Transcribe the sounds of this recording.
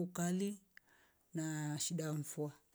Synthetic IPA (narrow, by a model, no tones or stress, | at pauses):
ukali | naʃiɗaɱ̩fua